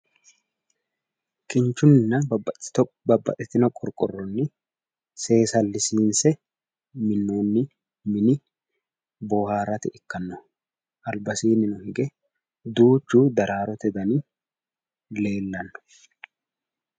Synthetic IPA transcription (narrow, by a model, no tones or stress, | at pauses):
kɪnt͡ʃːʊnːɪnɐ | bɐbːɐ̰t̪ʼɪt̪ɪnɔkʼɔɾkʼɔ̰rːɔnːɪ | se̞ːsɐlːɪsiːnsɛ | mɪnːoːnːɪ | mɪnɪ | boːhaːrːɐt̪ɪʔɪkːɐnːɔ | ʔɐlbɐsiːnɪnʊhɪɡɛ | d̪uːt͡ʃːuːd̪ɐɾʔaːɾɔt̪ɛd̪ɐni | le̞ːlːɐnːʊ̥